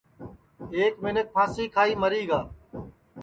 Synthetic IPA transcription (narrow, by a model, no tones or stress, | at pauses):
eːkmɪnək̚pʰaːsiːkʰaːiːməɾiːɡaː